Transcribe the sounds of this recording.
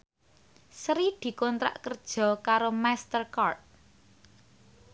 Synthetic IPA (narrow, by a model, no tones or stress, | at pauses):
sɾid̪̥i̤kɔnt̪ɾa̰ʔkərd̥ʒ̥ɔ̤kaɾomast̪ərkart̪̚